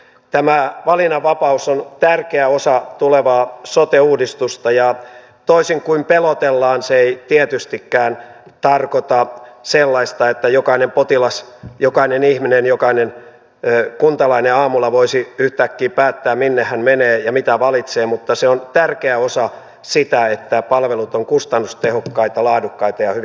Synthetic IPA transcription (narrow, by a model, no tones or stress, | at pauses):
t̪æmæʋɑlinɑʋʋːɑpɑusont̪ærkeæosɑt̪uleʋɑːsot̪euːdist̪ust̪ɑjɑ | t̪oisiŋkuimpelot̪elːɑːnseeit̪iɛt̪yst̪ikːæːnt̪ɑrkot̪ɑselːɑist̪ɑet̪ːæjokɑinempot̪ilɑsjokɑinenihminenjokɑinen | kunt̪ɑlɑineɑːmulɑʋoisiyht̪ækːiːpæːt̪ːæːmminːehːænmeneːjɑmit̪æʋɑlit̪seːmut̪ːɑseont̪ærkeæosɑ | sit̪æet̪ːæpɑlʋelut̪oŋkust̪ɑnːust̪ehokːɑit̪ɑlɑːdukːɑit̪ɑjɑhy